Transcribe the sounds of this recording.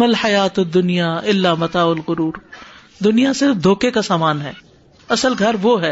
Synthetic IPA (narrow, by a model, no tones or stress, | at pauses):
məlħɐjaːt̪ʊd̪ʊnijaːɪlːaːmɐt̪aːʊlqʊɾuːɾ | d̪ʊnijasɪɾfd̪ʱoːkekasaːmaːnɦɛː | ɐsəlɡʱɐɾʋoɦɛː